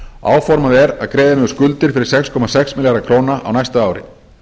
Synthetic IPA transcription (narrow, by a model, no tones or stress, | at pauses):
a̰ːwfɔɾmaðɛɾaðkɾɛːðɪmʏskʏlt̪ɪɾ̥fɪɾɪɾ̥sɛkskʰɔmasɛksmɪljaɾakʰɾoːwnaʔa̰wnajst̪aaːwɾɪ̰